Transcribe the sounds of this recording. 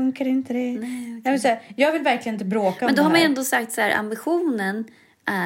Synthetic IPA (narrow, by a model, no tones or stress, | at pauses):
ɵŋkaɾɪnt̪əd̪ɛnɛmɛnsæːɾjɑːɡvɪlvæɾklɪɡənɪt̪əbɾoːmkaɛnd̪ɔhaɾmanɛnd̪osak̚t̪saæːɾʔa̰mbɪɧuːnən | ʔæ